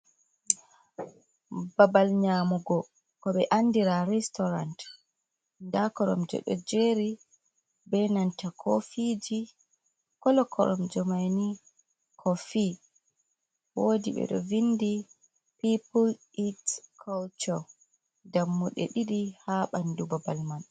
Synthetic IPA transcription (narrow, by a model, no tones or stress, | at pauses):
babalɲaːmuɡɔ | kɔɓɛʔanːdiɾaɾɛstɔɾant | ndakɔɾɔ̰md͡ʒɔ̰ɗɔ̰d͡ʒeɾi | bɛnantakʰofid͡ʒi | kɔlɔkʰɔ̰ɾɔmd͡ʒɔmajni | kʰɔfi | woːdḭɓɛ̰ɗɔ̰vinːdi | pipul | itkʰɔlt͡ʃɔ | ɡamːuɗɛ̰ɗiɗihaɓandubabalman